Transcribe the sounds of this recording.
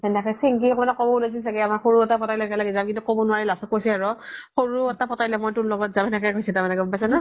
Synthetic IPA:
ɛnakasiŋkikmanakɔbɔulas̬is̬akɛamaɹxoɹuɔtapɔtajlɛkɛlaɡɛzamkintukɔbɔnʊaɹilasɔkːojsɛaɹɔxoɹuɛtapɔtajlɛmɔjtulɔɡɔtzabɛnɛkakojsɛtamɛnɛkɔbbasana

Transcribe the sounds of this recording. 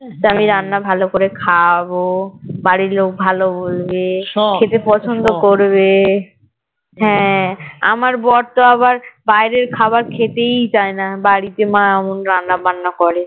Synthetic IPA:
t͡ɕamiɾanːabʱalokoɾekʰabobaɾiɾlok̚bʱalobolbekʰet̪epɔt͡ɕʰond̪okoɾβe | ɦɛ̃a̰maɾbɔɾt̪oaβaɾbajɾeɾkʰabaɾkʰet̪ejt͡ɕaenabaɽit̪emaeɛmonɾanːabanːakɔɾe

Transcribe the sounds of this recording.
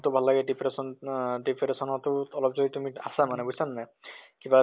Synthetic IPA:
t̪obʱallaɡeɖipʰɾesɔnɖipʰɾesɔnɔt̪owɔlɔb̚d͡ʑoit̪umia̰samanebusannakiba

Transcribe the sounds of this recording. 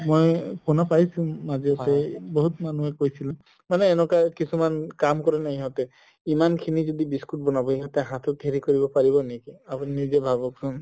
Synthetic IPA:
mojpʰonapaisĩmaziɔt̪ɛbɔɦut̪manuɛkojsilɛ | manɛːnɔkakisumankamkɔɹɛnaiɦɔt̪ɛ | imankʰinizɔd̪ibiskut̚bɔnabɔɦiɦɔt̪ɛɦãt̪ʰɔt̪ʰeɹikɔɹibɔpaɹibɔnekiapuniizebʱabɔksɔn

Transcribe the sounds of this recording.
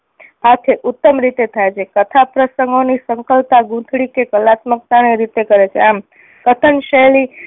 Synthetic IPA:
at̪ʰeʔut̪ːəmɾit̪et̪ʰajt͡ʃʰekət̪ʰapɾəsəŋɡonisəŋkəlt̪aɡũt̪ʰɽikekəlat̪mək̚t̪aɽ̃eɾit̪ekəɾet͡ʃʰḛam | kət̪ʰənʃəli

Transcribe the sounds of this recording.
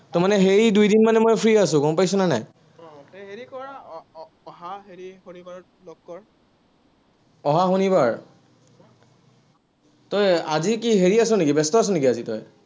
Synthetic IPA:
tɔmanɛɦeɹidujdinmanɛmɔjpʰɹiasʊ̃kɔmpajsʊnanaj | tɔjɦeɹikɔɹa | ɔɦaɦeɹihonibaɹ | lɔkːɔɹ | ɔɦaxonibaɹ | tɔja̰zikiɦeɹiasʊ̃nekibɛstɔas̬ʊ̃nekiazitɔ̰j

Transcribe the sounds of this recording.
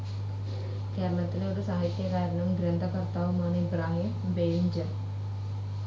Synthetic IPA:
kaːɾɳɐt̪ːileod̪saːɦit̪ːjɐkaːɾɐɳɐmɡɾjɐnd̪ʱɐkɐɾt̪aːʋumaːneibɾaːɦim | beːɲd͡ʑɐn

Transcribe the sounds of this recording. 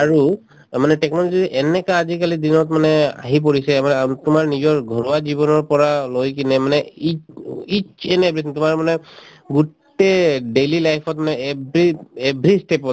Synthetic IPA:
aɹu | manɛʈɛknɔlɔziʔɛnɛkaːzikalidinɔtmanɛa̰ɦip̬oɹisɛmanɛatʊmaɹnizɔɹɡʱɔɹaziβɔnɔɹpɔɹalojkinɛmanɛiit͡ʃɛnebɹitʊmaɹmanɛ | ɡutː | eɖelilajpʰɔtmanɛebɹiebɹistepɔ

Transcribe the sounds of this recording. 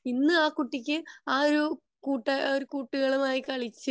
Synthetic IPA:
inːɨaːkuʈːikʲːɨaːɾu | kuːʈːɐɾukuːʈːuɣɐɭumaːjikɐɭit͡ɕːɨ

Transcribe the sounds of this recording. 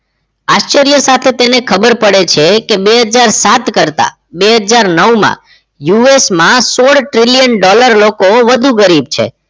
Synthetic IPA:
aʃt͡ʃəɾijəsat̪ʰet̪enekʰəbəɾpəɽet͡ʃʰekebeɦəd͡ʒaɾsat̪kəɾt̪a̰ | beɦəd͡ʒaɾnəʋmã̰ | juesmãsoɽʈɾiljənɖɔləɾlokoʋəd̪ʱũɡəɾib̚t͡ʃʰḛ

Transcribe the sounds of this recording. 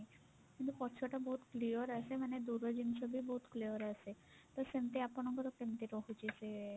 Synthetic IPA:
j | kint̪ukɔt͡ʃʰɔʈabɔɦut̪kliɔɾasemaned̪uɾad͡ʑinsʰɔbibɔɦut̪kliɔɾase | t̪ɔsemt̪eapɔnɔŋkɔt̪ɔkʈ̪emt̪eɾɔɦut͡ʃise

